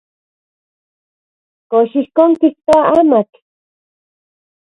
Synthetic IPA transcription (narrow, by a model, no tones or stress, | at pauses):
koʃihkoŋkiht̪oaʔamak